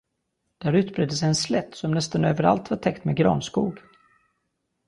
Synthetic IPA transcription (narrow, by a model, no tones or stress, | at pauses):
d̪̥æɾʉ̟ːt̪bɾeːd̪ːəs̬ɛjɛnslɛt̪ːsɔmnɛst̪anøːvəɾa̰lt̪vaʈʰɛkt̪meɡɾɑ̰ːnskuːɡ